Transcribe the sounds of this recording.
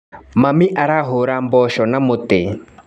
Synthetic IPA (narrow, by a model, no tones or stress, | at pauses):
mamiʔaɾaɦoɾambɔʃɔnamot̪e